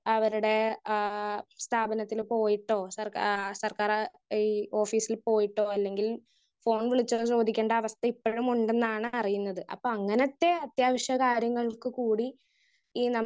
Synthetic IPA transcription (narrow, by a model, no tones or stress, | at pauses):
ɐʋɐɾuɽe̞ | st̪ʰaːbɐnɐt̪ːilpo̞ːjiʈːo̞ːsɐrkasɐrkaːr | iːo̞ːfiːsilpo̞ːjiʈːo̞ːɐlːe̞ŋɡil | fo̞ːɳʋiɭit͡ɕːɐrt͡ɕo̞ːd̪ikʲːe̞ːɳɖɐːʋɐst̪ɐipːoɻumuɳɖe̞nːaːɳɨɐrijunːɐðɨʔɐ̰pːoːɐŋːɐnɐt̪ːe̞ɐt̪jaːʋɐʂjɐkaːɾjɐŋːɐɭkɨkuːɽi | iːnɐ